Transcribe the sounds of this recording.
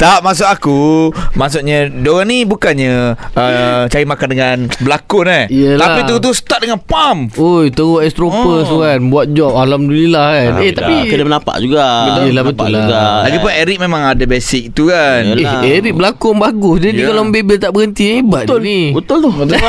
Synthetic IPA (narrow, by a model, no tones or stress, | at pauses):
t̪amas̬ʊkakumas̬uʔɲadoɾaŋnibukanɲaət͡ʃaɾimakandəŋanbəlakʊnaijəlaaiəut̪usə̥t̪at̪̚dəŋanpamojt̪əɣʊɛst̪ɾopəsukanbuat̪̚d͡ʒɔp̚alamdulilahkaneht̪apikədamənapa̰ʔd͡ʒuɡajəlabət̪aʊ̰ɡalaɡipʊnɛɾik̚memãŋadabesɪk̚t̪ukaneeɾik̚bəlakʊnbaɡʊsdadikaloməbebelt̪aʔbəɣənt̪inibaʊlibət̪ʊlt̪ʊət̪